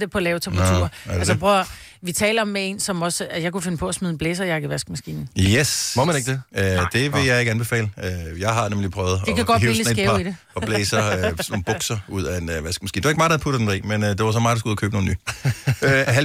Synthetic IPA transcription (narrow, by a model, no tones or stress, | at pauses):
d̥epʰɒ̽lɛːʊt͡sʰem̥ʁt͡sʰṵɐdælssb̥ʰʁɔɐ | ʋit͡sʰɛ̰ːlɐɒ̽mːee̝nsɒ̽mɒ̽sjɑ̈ɪkʰufe̝nəpʰɒ̽ɒsmyð̞ˠn̩b̥leːsɐjɑ̈ɡ̥əʋæsɡ̥mæsɡ̥ḭːnn̩esmomæneɡ̥d̥eød̥e̝ʋe̝jɑ̈ɪe̝ɡ̥ænb̥e̝fɛ̰ːləøjɑ̈ɪɦɑ̈nemlipʰʁœːʊð̞̩ˠdikʰæɡ̥ɒdhiiləseɡeʊɑid̥e̝ | ɒ̽b̥leːsɐønoːb̥ɔ̽ɡ̥sɐuð̞̰ˠæenʋæsɡ̥̚mæsɡḭːnd̥e̝ɐeɡ̥mɑːd̥æðˠpud̥d̥end̥ḭːmenød̥e̝ʋɑs̬ɒ̽mɑ̈ːdɑsɡuðˠkʰø̰ːb̥no̝ːn̩yːøɦæ